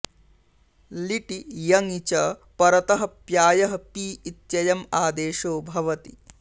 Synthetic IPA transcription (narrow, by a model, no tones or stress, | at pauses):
liʈijɐŋit͡ʃɐpɐɾɐt̪ɐɦɐ̆pjaːjɐɦɐpiːt̪jɐjɐmaːd̪eːʃoːbʱɐʋɐt̪i